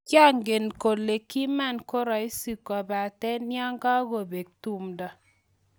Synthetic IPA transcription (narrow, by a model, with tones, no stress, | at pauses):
t͡ʃa˦ŋɡe˨nko˨le˨ki˦ma˦˨nko˦ɾɔ˨i˦si˦˨kɔ˨ba˨tɛ˦nja˦ŋɡa˦ɡo˨be˨k̚tu˦mdɔ˨